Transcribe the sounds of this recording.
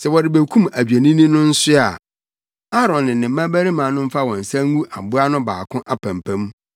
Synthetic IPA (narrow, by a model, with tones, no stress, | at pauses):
sɛ˨wɔ˨ɾɪ˨be˨kʰũ˦mæ˨d͡ʑᶣæ˨nĩ˦nĩ˦nʊ̃˦n̩˦sʊ˦a˨ | a˦ɾɔ̃˨nːɪ̃˨nːɪ̃˨mː˦ã˦bæ˦ɾi˦mãː˨˦nʊ̃˦m̩˦fa˦wɔ̃˨n̩˨sã˦ŋ˦ɡũ˦ʔa̰˨bʊ˦a˦nʊ̃˦baː˨kʰʊ̃˦ʔa˨pʰã˨mpʰæ̃˦mũ˦